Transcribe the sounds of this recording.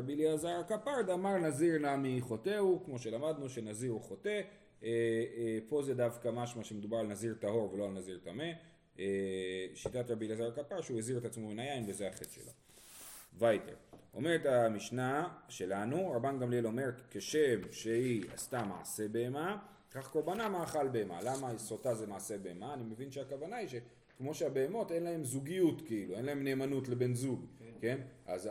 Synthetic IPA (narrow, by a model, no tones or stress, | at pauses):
abiliazaʁkapaʁd̪amaʁnaziʁnamiχo̞te̞ukmo̞ʃe̞lamad̪nuʃe̞naziʁχo̞te̞ | po̞zedavkamaʃmaʃemed̪ubaʁalnaziʁtaɦo̞ʁveloalnaziʁtame | eʃitatɾʁabiliazaʁkapaʁʃueziʁet̪at͡smomenajainvezeaχe̞tʃe̞̰lo̰ | vajtḛʁo̞̰me̞ʁetamiʃnaʃe̞lanuʁabanɡamlielo̞me̞ʁkeʃemʃeia̰stama̰ʕase̞be̞ːma | eχaχko̞ʁbanamaːχalbe̞ema̰lamaiso̞tazemaʕase̞be̞emaːnime̞vinʃeakavanaiʃe̞ | kmo̞ʃeabe̞ːmo̞te̞nlae̞mzuɡijutkeilue̞nlae̞mne̞ːmanutle̞be̞nzuɡke̞nʔa̰z